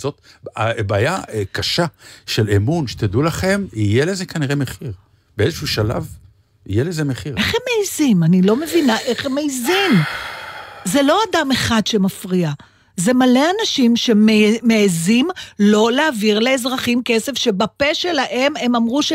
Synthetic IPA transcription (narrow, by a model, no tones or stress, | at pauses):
zot̪abaːjakaʃaʃelemunʃe̥t̪ad̪ulaχe̞mijelezekaniʁemeχiʁ | b̥eezeʃuʃala̰v | ḭjelezemeχiʁe̞χe̞mːeizimanilo̞me̞vinaʔe̞χemejzim | ze̞lo̞adameχadʃe̞mafʁia | ze̞male̞anaʃimʃe̞meːeːzimlo̞leaviʁle̞ːzʁaχimkesefʃe̞bape̞ʃe̞laʔe̞me̞mamʁuʃe